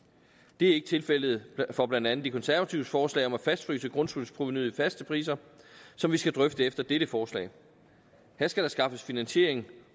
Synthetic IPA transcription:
d̥e̝æɐe̝ɡ̥ət͡sʰe̝lfel̰ð̞̩ˠfɒ̽b̥lænd̥ænð̩ˠd̥ikʰɒ̽nsæɐʋæt͡sʰiʊsfɒːslɛ̰ɪɒ̽mæfæsd̥fʁy̰ːsəɡ̥ʁɔ̽nsul̰spʰʁuʋnyðˠfæsd̥əpʰʁḭːs̬ɐsɒ̽mʋisɡ̥æd̥ʁœfd̥əefd̥ɐd̥eɾ̥əfɒːslɛ̰ɪ | hæɐsɡ̥æɾ̥ɑ̈sɡ̥ɑ̈fəsfinænɕe̝ɐe̝ŋ̩

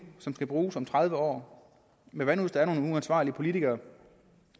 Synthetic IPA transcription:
sɒ̽msɡ̥æb̥ʁuːsɒ̽mt͡sʰʁað̞ˠʋəɒ̰ː | meʋænuðˠsd̥ɑ̈æɐno̝ːnuænsʋɑ̰̈ːliəpʰo̝lit͡sʰiɡ̥ɐː

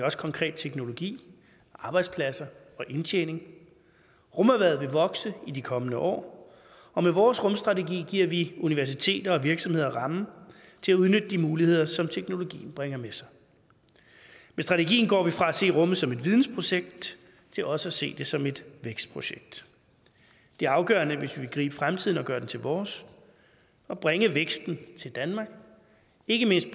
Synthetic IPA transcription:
ɒ̽sə̥kʰɒ̽ŋkʰʁɛ̰ːd̥̚t͡sʰeɡ̥no̝lo̝ɡ̥ḭː | ʔɑ̈ːb̥ɑ̈ɪd̥spʰlæsɐ | ɒ̽ʔe̝nt͡ɕʰḛːne̝ŋ | ʁɔ̽mæʋæð̞̩ˠʋe̝ʋɒ̽ɡ̥səidikʰɒ̽mənəʔɒ̰ː | ɒ̽meʋɒːsʁɔ̽msd̥ʁɑ̈t͡sʰe̝ɡḭːɡ̥iɐ̰ʋiuniʋæɐs̬it͡sʰe̝̰ːd̥ɐɒ̽ʋiɐɡ̥sɒ̽mhe̝ð̞̰ˠɐʁɑ̈mn̩ | t͡sʰe̝læuðˠnød̥əd̥imuːlihe̝ð̞̰ˠɐsɒ̽mt͡sʰeɡ̥no̝lo̝ɡ̥ḭːn̩b̥ʁeŋ̰ɐmesɑ̈ɪ | mesd̥ʁɑ̈t͡sʰeɡ̥ḭːn̩ɡ̥ɒ̰ːʋifʁɑ̈æse̝̰ːʁɔ̽mð̩ˠsɒ̽me̝d̥ʋiðˠn̩spʰʁo̝ɕeɡ̥̚d̥ | t͡sʰe̝lʔɒ̽səæse̝̰ːd̥e̝sɒ̽me̝d̥ʋeɡ̥sd̥̚pʰʁo̝ɕeɡ̥̚d̥ | d̥e̝æɐɑ̈ʊɡ̥ɶ̰ːɐnəʋe̝sʋiʋe̝lɡ̥ʁḭːb̥əfʁamt͡sʰiðˠn̩ɒ̽ɡ̥ɶɐdent͡sʰe̝lʋɒːs | ɒ̽b̥ʁɛŋəʋeɡ̥sd̥n̩t͡sʰe̝ld̥ænmɑ̈ɡ̥ | e̝ɡ̥əme̝n̰sd̥̚

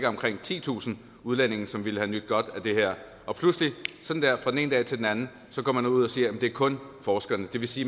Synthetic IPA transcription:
ɡ̥ɐɒ̽mkʰʁeŋ̰t͡sʰḭːt͡sʰṵːsn̩ | uð̞ˠlæn̰e̝ŋ̩sɒ̽mʋiləhænyd̥̚ɡ̥ɒ̽d̥æd̥e̝ɦæɐ̰ | ʔɒ̽pʰluslisɒ̥̽n̩d̥æɐfʁɑ̥ene̝ːnd̥ɛ̰ːt͡sʰe̝ld̥enænn̩ | sɒ̽ɡ̥ɒ̰ːmænuð̞̰ˠɒsiːɐjæm̩d̥e̝ɐkʰɔ̽nfɒːsɡ̥ɐnəd̥e̝ʋe̝siː

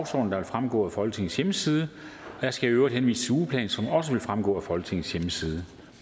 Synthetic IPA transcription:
ʊsɒ̰dn̩d̥ɑ̈ʋe̝lfʁamɡ̥ɔ̰ːæfɒ̽lɡ̥t͡sʰe̝ŋn̩sjeməsiːð̞ˠəɒ̽jɑsɡ̥æøʊɐd̥henʋḭːsə̥suːpʰlɛ̰ːnsɒ̽mɒ̽səʋe̝lfʁamɡ̥ɔ̰̽ːæfɒ̽lɡə̥t͡sʰe̝ŋn̩sjeməsiːð̞ˠə

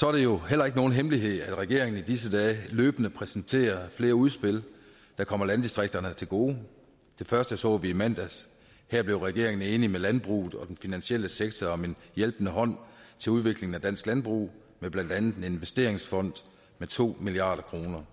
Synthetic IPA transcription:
sɒ̽ɐɾ̥e̝jo̝hel̰ɐe̝ɡ̥əno̝ːn̩ɦemliɦe̝ð̞̰ˠæd̥ʁɛɡ̥e̝ɐe̝ŋən̩id̥is̬əd̥ɛːløːb̥ənəpʰʁɛsn̩t͡sʰe̝̰ːɐfle̝ːɐuð̞ˠsb̥e̝l̰ | d̥æ̈kʰɒ̽m̰ɐlænd̥isd̥ʁeɡ̥̚d̥ɐnət͡sʰe̝lɡ̥o̝ː | t͡sʰe̝fɶɐsd̥əæsɒ̰ːʋiːmæn̰d̥æs | hæɐ̰b̥le̝ʊʁɛɡ̥e̝ɐ̰eŋən̩e̝ːnimelænb̥ʁṵːð̩ˠɒ̽d̥enfinænɕiel̰əseɡ̥̚t͡sʰɒɒ̽me̝njelb̥nəɦɒ̽n̰t͡sʰe̝luð̞ˠʋe̝ɡ̥le̝ŋn̩æd̥æn̰sɡ̥lænb̥ʁṵː | meb̥lænd̥ænð̩dˠee̝nʋesd̥e̝ːɐeŋsfɒ̽n̰d̥ | met͡sʰo̝̰ːmiliɑ̰̈ːɾ̥ɐkʰʁo̝ːnɐ

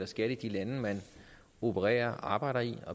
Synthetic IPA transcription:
lɐsɡ̥æd̩ˠid̥ilænəmæn | o̝pʰəʁɛ̰ːɐʔɑ̈ːb̥ɑ̈ɪ̰ɾ̥ɐiɒ̽

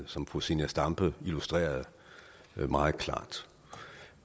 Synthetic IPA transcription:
sɒ̽mfosinəsd̥ɑ̈mb̥əilusd̥ʁḛːɐð̩ˠ | mɑ̈ːð̩ˠkʰlɑ̰̈ːd̥

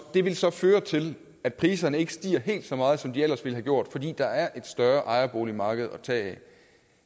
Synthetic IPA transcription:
d̥e̝ʋe̝lsɒ̽føːɐt͡sʰe̝l | æd̥̚pʰʁiːsɐnəe̝ɡ̥əsd̥ḭːɐɦe̝̰ːld̥sɒ̽mɑ̈ːð̞̩ˠsɒ̽md̥iel̰ɐsʋe̝lɦæɡ̥jo̝ɐ̰d̥fɒ̽d̥ḭːd̥ɑ̈æɐʔe̝d̥sd̥ɶɐʔɑ̈ɪɐb̥o̝̰ːlimɑ̈ːɡ̥əð̞̩ˠɒ̽t͡sʰɛ̰ː

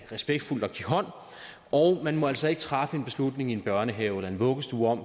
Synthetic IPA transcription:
ʁɛsb̥eɡ̥̚d̥ful̰d̥ɒ̽ɡ̥iɦɒ̽n̰ | ɒʊmænmɒ̽æl̰sɒ̽e̝ɡ̥ə̥t͡sʰʁɑ̈fəe̝nb̥e̝slud̥ne̝ŋie̝nb̥ɶɐnəɦɛːʊelɐe̝nʋɔ̽ɡ̥əsd̥uːɒ̽m̰

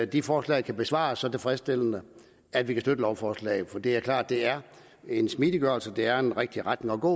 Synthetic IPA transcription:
d̥ifɒːslɛ̰ɪkʰæb̥e̝sʋɑ̰̈sːɒ̽t͡sʰe̝fʁɛsd̥e̝lənə | æd̥ʋikʰæsd̥ød̥əlɒʊfɒːslɛ̰ːɪð̩fɒ̽d̥ḭæɐkʰlɑ̰̈ːd̥ːe̝æɐ | e̝nsmid̥iɡ̥ɶɐlsəd̥e̝æɐe̝nʁeɡ̥̚d̥iʁad̥ne̝ŋɒ̽ɡ̥ɔ̰ː

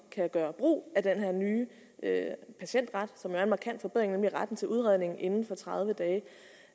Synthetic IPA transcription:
kʰæɡ̥ɶːɐb̥ʁo̰ːæd̥enɦeɐ̰nyː | øpʰæɕen̰d̥ʁɑ̈d̥sɒ̽mjoæmɑ̈kʰæn̰d̥fɒ̽b̥eð̰ˠʁeŋnemliæʁɑd̥n̩t͡sʰe̝lʔuð̞ˠʁiðˠne̝ŋn̩ʔe̝nn̩fɒ̽t͡sʰʁɑð̞ˠʋəd̥ɛː

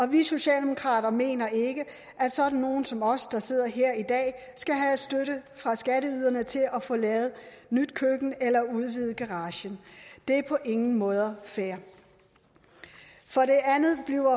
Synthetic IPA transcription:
ɒ̽ʋiso̝ɕɛ̰ːld̥emo̝kʰʁɑ̰̈ːd̥ɐme̝̰ːnɐe̝ɡ̥ə | ʔæ̥sɒ̽d̥n̩ːo̝ːn̩sɒ̽mɒ̽sd̥ɑ̈se̝ð̞̰ˠɐɦeɐ̰id̥ɛ̰ː | sɡ̥æɦæ̥sd̥øɾəfʁɑ̈sɡ̥æɾəyð̞ˠɐnət͡sʰe̝lɒfɔ̽ːlɛːð̞̩ˠnyd̥kʰøɡ̥n̩elɐuð̞ˠʋið̞̩ˠɡ̥ɑʁɑ̈ːɕənd̥e̝æɐpʰɒ̽ʔe̝ŋn̩mɔ̽ːð̞ˠɐfæɐ | fɒ̽ɾe̝ʔænð̩ˠb̥liʊɐ

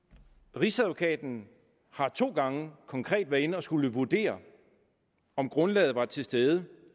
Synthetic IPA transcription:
ʁisæðʋo̝kʰɛ̰ːd̥n̩ | hɑ̈t͡sʰo̝̰ːɡ̥ɑ̈ŋəkʰɒ̽ŋkʰʁɛ̰ːd̥ʋæɐe̝nəɒ̽sɡ̥uləʋuɐd̥e̝̰ːɐ | ɒ̽mɡ̥ʁɔ̽nlɛ̰ːð̩ˠʋɑ̈t͡sʰe̝sd̥eːð̞ˠə

